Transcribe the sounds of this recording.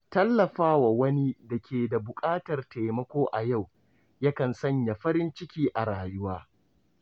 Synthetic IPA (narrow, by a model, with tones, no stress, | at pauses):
tɐ˦lːɐ˨ɸaː˦wa˨wɐ˦ni˦dɐ˨kʲʰeː˨da˨bʊ˨kʼaː˦tɐ˨rta˨mɐ˦kʷoː˦ʔa˨ja˦˨w | jɐ˦kɐ˨nsɐ˦˨ɲja˨ɸɐ˦ɾɪ˦nt͡ʃɪ˦kʲiː˦ʔa˨ɽaː˨jʊ˦waː˦